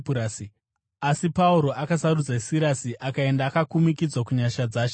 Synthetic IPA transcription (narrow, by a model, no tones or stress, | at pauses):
uɾasi | asipauɾo̞ʔakasaɾud͡zasiɾasiʔakae̞ndaːkakumikid͡zwakuɲaʃad͡zaːʃe